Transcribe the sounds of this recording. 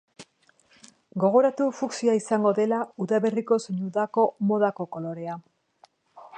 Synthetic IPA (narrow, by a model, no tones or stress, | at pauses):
ɡo̞ɣ̞o̞ɾat̪ufuksiaisaŋɡo̞ðe̞lauðaβe̞riko̞seɲuðako̞mo̞ðako̞ko̞lo̞ɾe̞a